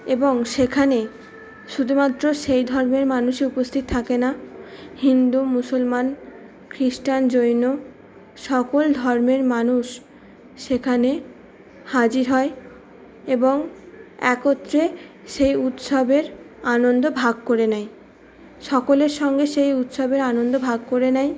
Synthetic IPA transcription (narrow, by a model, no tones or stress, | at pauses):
eboŋʃekʰane | ʃud̪ʱumat̪ːɾoʃejd̪ʱɔɾmeɾmanuʃeupost̪ʰit̪̚t̪ʰakenahind̪umusolman | kɾiʃʈand͡ʑojno | ʃɔkold̪ʱɔɾmeɾmanuʃː | ekʰane | had͡ʑiɾɦɔe | eboŋɛkot̪ːɾeʃejut̪ʃobeɾ | anond̪obʱaɡ̚koɾenɛj | ʃɔkoleɾʃɔŋɡeʃejut̪ʃobeɾanond̪obʱaɡ̚koɾenɛj